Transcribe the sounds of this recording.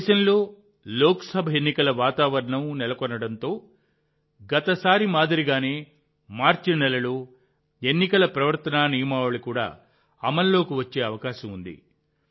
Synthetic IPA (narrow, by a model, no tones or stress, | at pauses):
ʃɐnlo̞ː | lɔːkɐsɐbʱɐenːikɐlɐʋaːt̪aːʋɐɾɐɳɐmnɛlɐkɔnːɐɽɐnt̪o̞ː | ɡɐt̪ɐsaːɾimaːd̪ɐɾiɡaːne̞ː | maːɾt͡ʃinɛlɐloː | enːikɐlɐpɾɐʋɐɾt̪ɐnaːnijɐmaːʋɐɭikuːɽa̰ː | ɐmɐnlo̞ːkiʋɐt͡ʃːe̞ːɐʋɐkaːʃɐmund̪ḭ